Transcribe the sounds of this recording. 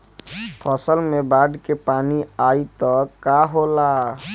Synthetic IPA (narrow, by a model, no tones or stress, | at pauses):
pʰɔsəlmebaɖkepaniait̪ɔkaɦola